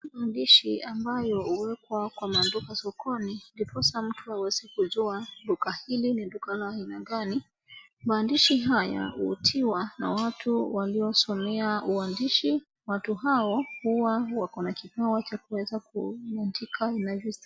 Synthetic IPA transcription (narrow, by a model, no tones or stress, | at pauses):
maːndiʃiʔambajɔhuwɛkwakwamandukasɔkɔnindipɔsam̩tʰuawɛzikuzuadukahilinidukalainaɡani | maːndiʃiɦaja̰ṵːtʰiwana̰watuwaliɔsɔmɛauandiʃi | watuɦaɔhuwawakɔnakikawat͡ʃakuwɛzakuandikʰainavis